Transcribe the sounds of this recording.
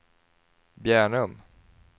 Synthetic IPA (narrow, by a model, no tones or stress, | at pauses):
bjæːɳɵm